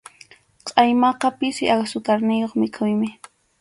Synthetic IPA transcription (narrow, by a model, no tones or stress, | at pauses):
qʼɑjmɑqɑpɪsɪʔaksʊt̪aɾnɪjoχmɪkʰʊjmɪ